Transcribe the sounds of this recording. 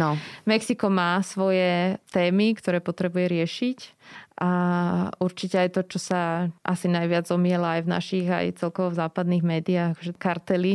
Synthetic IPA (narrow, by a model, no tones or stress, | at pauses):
nɔmɛksikɔmaːsʋɔjɛt̪ɛːmikt̪ɔɾɛːpɔt̪ɾɛbujɛɾɪɛʃicʔa | uɾt͡ʃicɛajt̪ɔt͡ʃɔsaʔa̰sinajʋɪad͡zzɔmɪɛlaajvna̰ʃiɣa̰jt͡sɛlkɔʋɔvzaːpad̪niːɣmɛːd̪iaːɣaxɔʒɛkaɾt̪ɛli